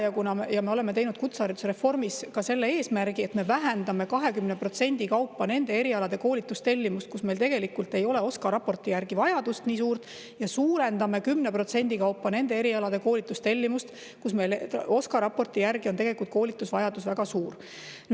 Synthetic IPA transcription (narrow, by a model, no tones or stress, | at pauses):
jɑkunɑmjɑme̞o̞le̞me̞t̪e̞jnud̪̥kut̪sɑːɾit̪u̥seɾefo̞rmiskɑse̞lːeeːsmæɾɡ̥ie̞t̪me̞væɦænd̪̥ɑme̞kɑɦe̞kymnepro̞t̪se̞nʲd̪̥ikɑwpːɑne̞nd̪e̞e̞ɾiɑlɑd̪̥e̞ko̞ːlit̪ːˑust̪e̞lʲːimust̪̚kusme̞jlt̪e̞ɡ̥e̞likːult̪e̞jo̞leo̞skɑɾɑpo̞rt̪ːˑijærɡ̥ivɑjɑd̪̥ust̪niːsuːrt̪ | jɑsuːɾend̪ɑme̞kymne̞pro̞t̪se̞nʲd̪ikɑwpːɑne̞nd̪e̞e̞ɾiɑlɑd̪̥e̞ko̞ːlit̪ːˑust̪e̞lʲːimust̪ | kusme̞jlo̞skɑɾɑpo̞rt̪ˑijærɡio̞ne̞ɡe̞likult̪̚ko̞ːlit̪ːˑusvɑjɑd̪usvæɡ̥ɑsuːr